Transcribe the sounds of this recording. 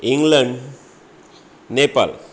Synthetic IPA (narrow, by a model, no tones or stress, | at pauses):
ɪŋɡlɐ̃ɳɖ | neːpa̰ːl